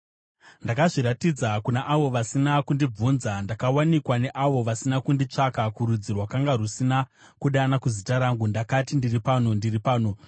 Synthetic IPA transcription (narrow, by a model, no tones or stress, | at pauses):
ndakaʐiɾatid͡zakunaʔaʋo̞ʋasinakundib͡vunzandakawanikwane̞ʔaʋo̞ʋasinakundit͡ʂakakuɾud͡zirwakaŋɡarusina | kuɗanakuzitaɾaŋɡundakatindiripanondiripaːno